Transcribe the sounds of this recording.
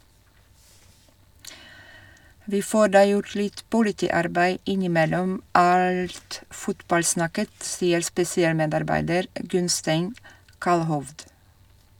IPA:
ˈʋiː ˈfoːɾ ˈdɑː ˈjʊɾ ˈlɪt pʊlɪˈtiːˌɑɾbæɪ ˈɪnɪˌmɛlɔm ˈɑlt ˈfʊtbɑlˌsnɑkət ˈsiːəɾ spɛsɪˈɑːlˌmeːdɑɾˌbæɪdəɾ ˈɡʉnsteɪn ˈkɑlhɔʋd

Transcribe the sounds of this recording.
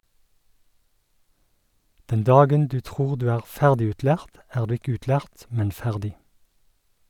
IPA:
ˈdɛn ˈdɑːɡən ˈdʉː ˈtʁuːʁ ˈdʉː ˈæːʁ ˈfæʁdɪʉːtˌlæːʁt ˈæːʁ ˈdʉː ˈɪk ˈʉːtˌlæːʁt ˈmɛn ˈfæʁdɪ

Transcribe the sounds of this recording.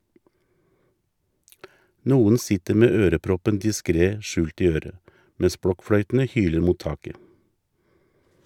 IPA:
ˈnuːən ˈsɪtəɾ ˈmeː ˈøːɾəˌpɾɔpən dɪˈskɾeː ˈʃʉːlt ˈiː ˈøːɾə ˈmɛs ˈbɽɔkˌfɽœʏtn̩ə ˈhyːləɾ ˈmuːt ˈtɑːkə

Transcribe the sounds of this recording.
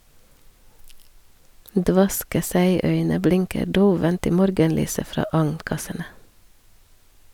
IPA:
ˈdʋɑskə ˈsæɪˌœʏnə ˈblɪŋkə ˈɖoːʋənt ˈiː ˈmɔɾɡənˌlyːsə ˈfɾɑː ˈɑŋnˌkɑsənə

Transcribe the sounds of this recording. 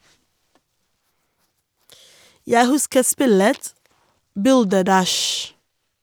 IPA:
ˈjæɪ ˈhʉskə ˈspɪlət ˈbʉldəˌdæʃ

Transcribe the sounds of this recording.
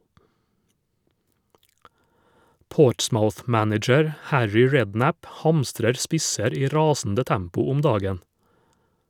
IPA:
ˈpoːʈsmaʊθˌmænɪd͡ʒəɾ ˈhæɹʏ ˈɹɛdˌnæp ˈhɑmstɾəɾ ˈspɪsəɾ ˈiː ˈɾɑːsn̩də ˈtæmpʊ ˈʊm ˈdɑːɡən

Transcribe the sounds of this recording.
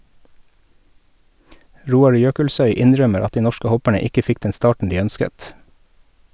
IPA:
ˈɾuːɑɾ ˈjøːkəlˌsœʏ ˈɪnˌɾœməɾ ˈɑt ˈdiː ˈnɔʃkə ˈhɔpəɳə ˈɪkə ˈfɪk ˈdɛn ˈstɑːʈɳ̩ ˈdiː ˈœnskət

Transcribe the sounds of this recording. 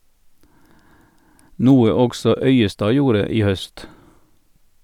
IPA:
ˈnuːə ˈɔɡsɔ ˈœʏəˌstɑː ˈjuːɾə ˈiː ˈhœst

